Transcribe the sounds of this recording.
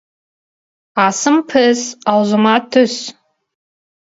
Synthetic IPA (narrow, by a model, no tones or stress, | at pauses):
aːsɨmpʰɨsawzɨmatʰɨs